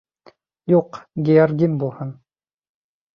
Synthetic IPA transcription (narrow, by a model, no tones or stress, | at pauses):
juqɡʲijɑɾɡʲimbulˠhɤn